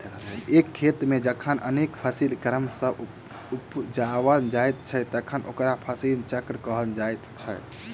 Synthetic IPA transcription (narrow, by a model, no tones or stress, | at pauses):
ekʰːet̪med͡ʒəkʰənʔə̰nekpʰəsilkəɾəmsə̃ | upd͡ʒaʋənd͡ʒajt̪̚t͡ʃʰɛt̪əkʰənʔo̰kɾapʰəsilt͡ʃəkɾkəɦənd͡ʒajt̪t͡ʃʰɛ